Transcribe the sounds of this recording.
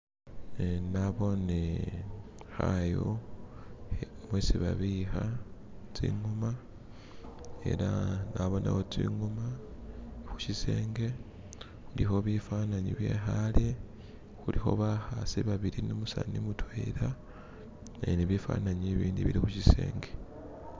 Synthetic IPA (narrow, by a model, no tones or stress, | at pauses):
enaβo̞ne | xajo̰ | omwesiβaβixa | t͡sḭːŋɡuma | e̞̰ɾanaβo̞na̰xotiːŋɡuma | xu̥ʃise̞ːŋɡe̞ | xulixo̞βifanaɲiβje̞xalje | xulixo̞̰βahasiβaβiɾinomusa̰nimutweɾa | eniβifa̰ːnaɲiβiːndiβiɾixuʃise̞̰ːŋɡe